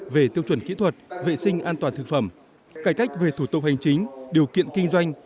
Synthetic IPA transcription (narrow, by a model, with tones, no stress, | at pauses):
ve˨˩t̪i˧əwt͡ɕwə˧˩nkḭ˧˥t̪ʰwə˨˩t̚vḛ˧˨sï˧ŋ̟ʔaː˧nt̪waː˨˩nt̪ʰɨ˨˩k̚fə˧˩m | kaː˧˩jka˦˥jk̟̚ve˨˩t̪ʰu˧˩t̪ʊ˨˩k͡p̚ha˨˩jŋ̟t͡ɕï˨˦ŋ̟ɗi˨˩əwkḭ˧˨ənkï˧ŋ̟zwa˧jŋ̟